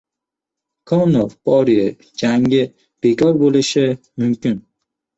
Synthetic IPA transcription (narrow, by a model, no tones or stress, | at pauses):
kʰɒwnovpʰɒɾijɛ | d͡ʒaŋɪ | b̥ekʰɒɾbolɪʃɪ | mʊmkʲɪn